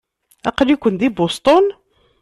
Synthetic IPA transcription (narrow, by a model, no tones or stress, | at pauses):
æqəljkʷʊnd̪ibost̪ˤon